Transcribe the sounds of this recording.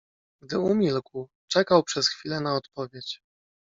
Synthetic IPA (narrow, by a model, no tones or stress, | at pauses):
ɡd̪ɘumʲilkw | t͡ʂɛkawpʂɛsxfʲilɛnaɔt̪pɔvʲjet͡ɕ